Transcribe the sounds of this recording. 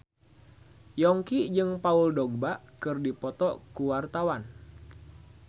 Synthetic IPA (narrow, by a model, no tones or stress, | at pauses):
jɔŋkid͡ʒɨŋpauldɔɡ̚baʔkɨrdipɔt̪ɔkuwart̪awan